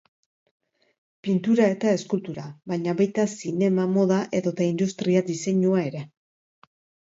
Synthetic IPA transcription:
pint̪uɾae̞t̪ae̞skult̪uɾaβaɲaβajt̪asine̞mamo̞ðaʔe̞ðo̞t̪aind̪ust̪ɾiad̪ise̞ɲuae̞ɾe̞

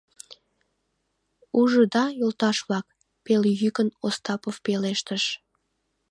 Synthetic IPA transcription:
uʒəd̪ɑjolt̪ɑʃβlɑk | peljykənost̪ɑpofpeleʃt̪əʃ

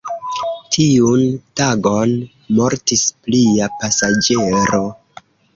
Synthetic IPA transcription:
tʰiuntaɡo̞n | mo̞ɾtispliapasad͡ʒe̞ɾo̞

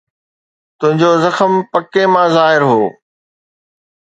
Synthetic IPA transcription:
t̪ʊ̃ɦɪ̃ɲd͡ʑozɐxəmpɐkemãːzaːɦɪɾɦoː

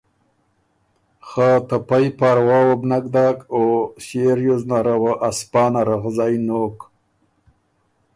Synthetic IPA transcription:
xat̪apajpaɾwaːwabnakd̪akoɕeɾjuznaɾawaʔaspɑːnaɾaɣzajnok

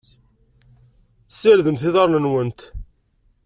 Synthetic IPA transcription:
səɾðəmθɪðɑɾˤnənwənt̪

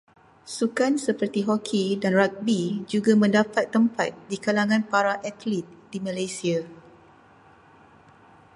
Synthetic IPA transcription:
sukansəpərt̪iɦɔkʰidanrak̚bid͡ʒuɡamə̃ndapat̪ːəmpa̰t̪̚dikalaŋãnpaɾaʔat̪lit̪̚dimãlajsia

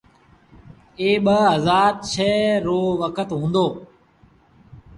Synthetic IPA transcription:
eːɓəɦəzaːt̪̚t͡ʃʰeːɾoːʋəkʰət̪ɦũːnd̪oː

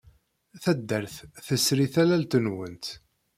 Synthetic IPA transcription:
θæd̪ːəɾθθəsɾiθælælt̪ənwənt̪

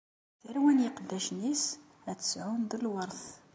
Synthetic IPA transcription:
θəɾwænjəqd̪ːæʃnis | æt͡sːə̥sʕund̪əlwəɾˤθ

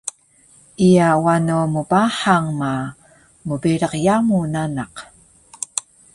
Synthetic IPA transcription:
ʔiawanumubaħaŋma | mubiɾəqjamunanaq

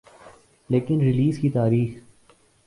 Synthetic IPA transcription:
leːkɪnɾɪliːzkit̪aːɾiːx

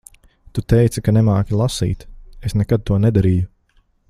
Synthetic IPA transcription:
t̪ut̪ɛjt̪sakanɛmaːkʲilˠasḭːt̪esnɛkad̪̚t̪uɔnɛd̪aɾiːju

